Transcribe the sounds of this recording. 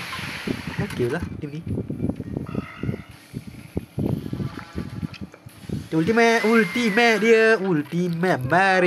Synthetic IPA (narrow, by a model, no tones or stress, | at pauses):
okelatimni | teultimɛultimɛɗiəwultimɛmɛɾ